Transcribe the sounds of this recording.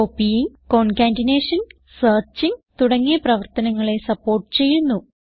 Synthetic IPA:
opːijiŋ | ko̞ːnkaːndineːʂɐn | sɐːrt͡ɕiŋt̪uɽɐŋːiɐprɐʋɐrt̪ɐnɐŋːɐɭe̞sɐpːo̞ːrʈːɨ̥t͡ɕe̞jːunːu

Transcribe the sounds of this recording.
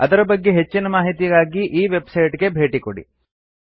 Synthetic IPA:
ɐd̪ɐɾɐbɐɡːe̞ɦet͡ʃːinɐmaːɦit̪ijɡaːɡiʔiːʋe̞bsɐjʈɡe̞bʱe̞ːʈikoɽḭ

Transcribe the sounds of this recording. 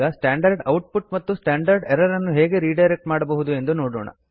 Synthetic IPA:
ɡɐsʈaːɳɖɐɾɖɐwʈ̚puʈ̚mɐt̪ːusʈaːɳɖɐɾɖɛɾɐɾɐnːuɦeːɡe̞ɾiːɖɐjɾek̚ʈmaːɽɐbɐɦud̪ue̞nd̪uno̞ːɽoːɳɐ̰

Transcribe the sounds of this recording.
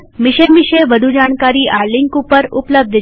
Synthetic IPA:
mɪʃəʋɪʃeʋəd̪ʱud͡ʒaɽ̃kaɾiʔaɾlɪŋkupəɾupləb̚d̪ʱ

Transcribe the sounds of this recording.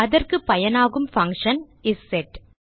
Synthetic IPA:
ɐðɐrkɯpɐjɐnaːɣɯmfɐŋkʂɐn | ɪsːɛʈ

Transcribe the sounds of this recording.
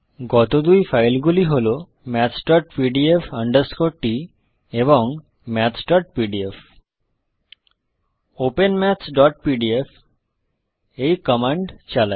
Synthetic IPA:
ɡɔt̪od̪ujfajlɡuliɦolo | mɛt͡ɕɖɔʈpiɖiefəɳɖəɾskoʈːi | eβoŋ | mɛt͡ɕɖɔʈ̚piɖief | openmɛt͡ɕɖɔʈ̚piɖief | ejkɔmaɳɖt͡ɕala

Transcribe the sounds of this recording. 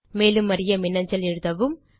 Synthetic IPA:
meːlɯmːɐɾɪjɐmɪnːɐɲd͡ʒɐlɛɻɯðɐʋɯm

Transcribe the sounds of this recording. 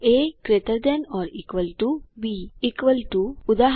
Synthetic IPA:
ekɾet̪əɾd̪ənɔːɾiːkʋəlʈubiikʋəlʈuud̪aɦ

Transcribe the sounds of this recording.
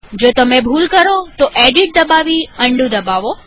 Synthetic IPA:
d͡ʒoːt̪əmẽbʱuːlkəɾot̪oʔeɖiʈ̚d̪əbaʋiəɳɖũd̪əbaʋo

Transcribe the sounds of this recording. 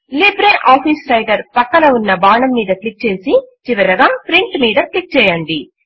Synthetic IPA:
libɾeːʔaːfiːsʈɐjɡɐɾpɐkːɐlɐunːɐbaːɳɐmːiːd̪ɐklik̚t͡ʃeːsit͡ʃiʋɐɾɐɡaːpɾiɳʈmiːðɐklik̚t͡ʃɛːjɐɳɖi

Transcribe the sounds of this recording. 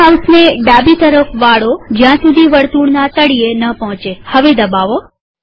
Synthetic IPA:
awsneɖabit̪əɾəfʋaɽod͡ʒjãsud̪ʱiʋəɽt̪uɽnat̪əɽienəpɔɦɔ̃t͡ʃehəʋed̪əbaʋo

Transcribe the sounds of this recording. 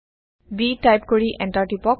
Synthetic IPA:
biʈajpkoɹiʔɛ̃nʈaɹʈipɔk

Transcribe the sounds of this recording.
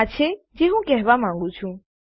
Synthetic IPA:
at͡ʃʰe | d͡ʒeɦũkɛɦʋamãːŋɡɽũt͡ʃʰũ

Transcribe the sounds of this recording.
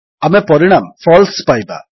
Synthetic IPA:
ɐmepɔɾiɳamfɔːlspɐjba̰

